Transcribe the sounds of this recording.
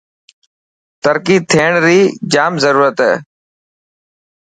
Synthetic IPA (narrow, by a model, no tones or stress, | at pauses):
t̪əɾkiːt̪ʰeːɳɾiːd͡ʒaːmzəɾuːɾət̪ɦɛ̰ː